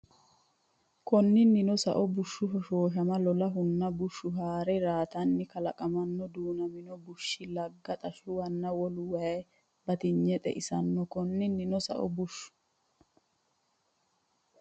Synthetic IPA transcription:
kɔnːɪnːɪnɔsɐ̰ʔɔbʊʃːʊfɔʃoːʃ̬ɐmɐlɔlɐɦʊnːɐbʊʃːʊɦaːɾɛɾaːt̪ɐnːɪkɐlɐkʼɐmɐnːɔd̪uːnɐmɪnɔbʊʃːɪlɐɡːɐt̪ʼɐʃʊwɐnːɐwɔlʊwɐj | bɐt̪ɪɲːɛt̪ʼɛ̰ʔɪsɐnːɔkɔnːɪnːɪnɔsɐ̰ʔɔ̰bʊʃːʊ̥

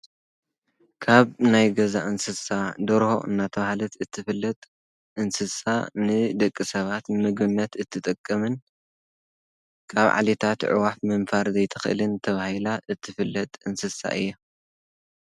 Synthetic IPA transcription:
kʰaβnajɡɐzaʔɨnsɨsad̪oɾho̞̰ʔɨ̰nːat̪ʰɐβahlɐt̪ʰɨt̪ʰːɨfɨlːɐt̪ʼ | ʔɨnsɨsanɨd̪ɐkʼːisɐβat̪mɨɡbɨnːɐt̪ɨt̪ʰːɨt̪ʼɨkʼːɐmɨn | kʰaβʕa̰let̪ʰat̪ʕʊ̰wafmɨnfaɾzɐjt̪ʰɨxʔɨlɨnt̪ʰɐβahilaʔɨt̪ʰːɨfɨlːɐt̪ʼɨnsɨsa̰ʔɨ̰jːo

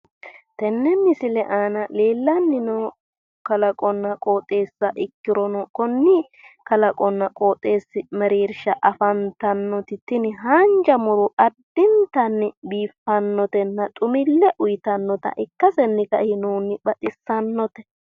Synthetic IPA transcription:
t̪ɛnːɛmɪsɪlɛʔaːnɐleːlːɐnːɪnɔ | kɐlɐkʼɔnːɐkʼo̞ːt̪ʼːe̞ːsːɐʔɪkːɪɾɔnɔkɔnːɪ | kɐlɐkʼɔnːɐkʼo̞ːt̪ʼːe̞ːsːɪmɛɾiːɾʃɐʔɐfɐnt̪ɐnːɔt̪ɪt̪ɪnɪɦaːnd͡ʒɐmʊɾʊʔɐd̪ɪnt̪ɐnːɪbiːfːɐnːɔt̪ɛnːɐt̪ʼʊmɪlːɛʔʊjt̪ɐnːɔt̪ɐ̰ʔɪkːɐsɛnːɪkɐhɪnuːnɪbɐt̪ʼɪsːɐnːɔt̪ɛ̥

